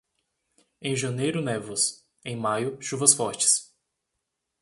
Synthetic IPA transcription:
ẽj̃ʒɐ̃nejɾʊnɛvʊs | ẽj̃majʊʃuvɐsfɔɾt͡ʃɪ̥s

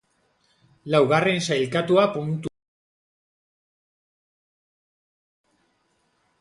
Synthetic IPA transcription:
lawɣare̞nsajlkat̪uapunt̪

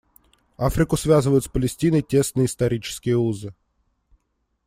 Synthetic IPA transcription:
afɾʲɪkʊsvʲazɨvəjʊt̪spəlʲɪsʲtʲinəjtʲe̞snɨjəɪsnt̪ɐɾʲit͡ɕɪ̥skʲɪjəuzɨ

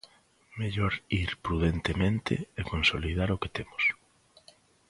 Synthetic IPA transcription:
meʎoɾiɾpɾuðent̪emẽnt̪ɪ̰ekonsolið̞aɾʊket̪emʊs

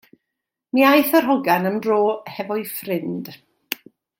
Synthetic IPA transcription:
miːajθərɦɔɡanəmdroːhɛvɔɨfrɪnd̥

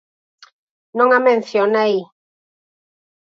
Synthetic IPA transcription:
nõŋamẽn̟θjonej

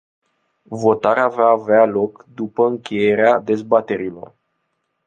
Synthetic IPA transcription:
vo̞t̪aɾeavaːvealo̞kd̪upəɨŋkʲe̞je̞ɾead̪e̞zbat̪e̞ɾilo̞̰r

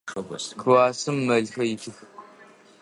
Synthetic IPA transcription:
ɐkʰɨwaːsɨmːɐɮxɐjɪɬʰɨxɨkʷʰʼ

